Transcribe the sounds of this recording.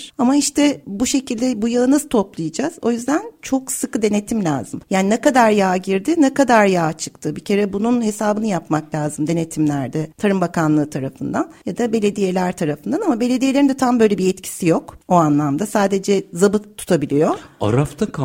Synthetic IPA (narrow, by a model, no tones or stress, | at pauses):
amaiʃt̪ʰɛbuʃe̞cilʲd̪ɛbujalˠɯnazt̪ʰo̞plˠɯjɯd͡ʒaz̥o̞jyzd̪ænt͡ʃʰo̞ksɯkɯd̪e̞ne̞t̪ʰimlʲa̰ːzɯmjaːninɛkad̪aɾjaːɟiɾd̪ɪnɛkad̪aɾjaːt͡ʃʰɯ̥k̚t̪ʰɯbicʰe̞ɾɛbununhe̞saːbɯnɯjapmaklʲaːzɯmd̪e̞ne̞t̪ʰimlʲæɾd̪ɪt̪ʰaɾɯmbakanlˠɯːt̪ʰaɾafɯnd̪anjad̪abe̞lʲe̞d̪ije̞lʲæɾt̪ʰaɾafɯnd̪anamabe̞lʲe̞d̪ije̞lʲeɾind̪ɛt̪ʰambø̞jlʲebiɛt̪cʰi̥sijo̞koanlˠamd̪asaːd̪e̞d͡ʒɛzabɯt̪ʰu̥t̪ʰabilʲijo̞a̰ɾaft̪ʰakʰ